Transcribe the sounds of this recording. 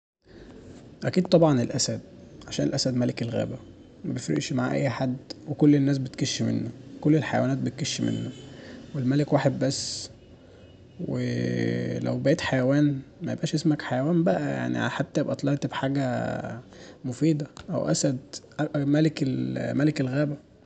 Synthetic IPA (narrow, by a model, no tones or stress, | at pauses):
ʔækiːd̪̚t̪ˤɑbʕɑnelʔæsæd̪ʕaʃæːnḛlʔæsæd̪mælekelɣæ̰ːbæ | mæbejefɾḛʔʃmaʕa̰ʔæ̰jːħad̪ːwekolːenːæːs̬bet̪keʃːmḛnːæwekolːelħajæ̰wænæːt̪̚bet̪̚keʃːimḛnːæwelmælekwaːħed̪̚bæsː | wḛ | læ̰wbæʔeːt̪ħajæwæːnmæjebʔæːʃʔesmækħajæwæːmbæʔæja̰ʕnḭʕa̰ħat̪ːæebʔæt̪ˤlɑʔt̪bħaːɡæ | mofiːd̪ɑʔæ̰wʔæ̰sæd̪ʔæʔæmælekelmælekelɣæːbæ